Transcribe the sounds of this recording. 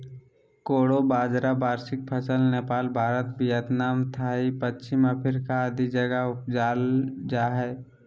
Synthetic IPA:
koːɽobaːd͡ʒɾabaːɾsɪk̚pʰəsəlneːpaːlbʱaːɾət̪bijət̪naːmt̪ʰaːipət͡ʃɪmapʰɪɾkaəd̪id͡ʒəɡaʊpd͡ʒaːld͡ʒaːɦɛː

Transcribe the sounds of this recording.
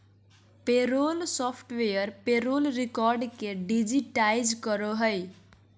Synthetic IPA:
peɾolsɔpʰʈwejʌrpeɾolrikɔrɖkeɖid͡ziʈajd͡zkʌɾoɦʌj

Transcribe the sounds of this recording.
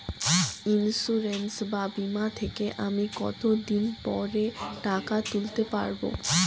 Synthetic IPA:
insuɾensbabimat̪ʰekeʔamikɔ̰t̪od̪inpɔ̰ɾeʈakat̪ult̪epa̰ɾbo̰

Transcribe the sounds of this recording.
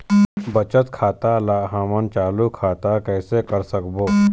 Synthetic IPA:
bət͡ɕət̪kʰat̪alaɦamənt͡ɕalukʰat̪akəjsekəɾsəkbo

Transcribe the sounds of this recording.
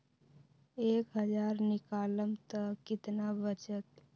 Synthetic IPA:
eːkɦəd͡ʒaːɾnɪkaːləmt̪əkɪt̪nabət͡ʃət̪

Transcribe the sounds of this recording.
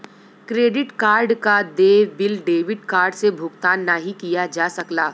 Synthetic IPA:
kɾeːɖɪʈkaːɾɖkad̪eːbɪlɖeːʋɪʈkaːɾɖsebʱʊɡt̪aːnːaɦikijad͡ʒaːsɐklaː

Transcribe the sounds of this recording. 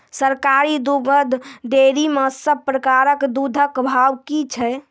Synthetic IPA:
səɾkaɾid̪uɡəd̪ʱd̪eɾiməsəb̚pɾəkaɾəkd̪ud̪ʱəkbʱawkit͡ʃʰɛ

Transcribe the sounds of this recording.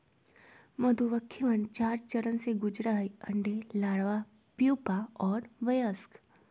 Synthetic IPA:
mɐd̪uʋəkʰːiʋənt͡ʃaːɾt͡ʃəɾənseɡʊd͡ʒɾaɦiɐ̃ɳɖelaːɽʋa | pjuːpaɔːɾʋɐjəsk

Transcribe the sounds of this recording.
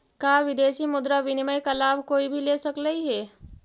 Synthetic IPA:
kaʋid̪esiːmud̪ɾaʋiniməjkəlaʋkoibʱiːlesəkləiɦe

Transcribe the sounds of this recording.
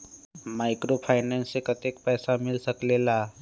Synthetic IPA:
maɪkɾopʰaɪnensekət̪ekpɛːsamilsəklela

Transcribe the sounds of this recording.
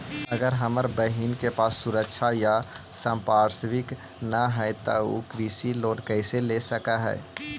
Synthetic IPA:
əɡəɾɦəməɾbəɦiːnkepaːsːʊɾəkʃʰajasə̃mpaːɾswɪk | naɦɛt̪ookɾisiloːʈkəɪselesəkaɦɛ̰ː

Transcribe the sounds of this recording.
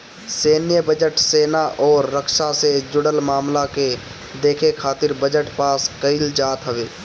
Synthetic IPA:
seːnjəbəd͡ʒəʈseːnaʔɔːɾːəkʃased͡ʒʊɽəlmaːmlake | d̪eːkʰekʰaːt̪ɪɾbəd͡ʒəʈpaːskəɪld͡ʒaːt̪ɦəʋeː

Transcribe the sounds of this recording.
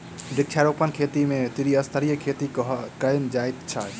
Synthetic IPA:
ɖɪk̚t͡ʃʰaɾopənkʰet̪imet̪iɾiəst̪ʰəɾijəkʰet̪iɦkənd͡ʒajt̪t͡ʃʰa

